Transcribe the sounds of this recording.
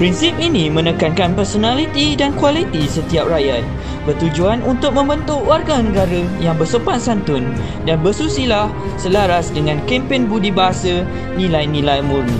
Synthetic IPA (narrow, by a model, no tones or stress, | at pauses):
pɾinsip̚inĩmə̃nəkankanpɛrsonalit̪idankwalit̪isət̪iap̚rajat̪̚ | bərt̪ud͡ʒuanʔunt̪ʊk̚mə̃mbənt̪uwarɡanə̃ɡaɾəjaŋbərsəpat̪̚sant̪ʊn | danbəsusilah | səlaɾasdəŋãnkɛmpɪnbudibaɦasa | nĩlajnĩlajmurni